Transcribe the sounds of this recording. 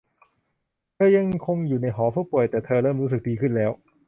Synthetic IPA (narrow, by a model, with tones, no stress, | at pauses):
t̪ʰɤː˧ja˧ŋkʰo˧ŋjuː˨˩na˧jɦɔː˩˦pʰuː˥˩pu˨˩əjt̪ɛː˨˩t̪ʰɤː˧ɾɤː˥˩mɾuː˦˥s̬ɯ˨˩k̚diː˧kʰɯ˥˩nlɛː˦˥w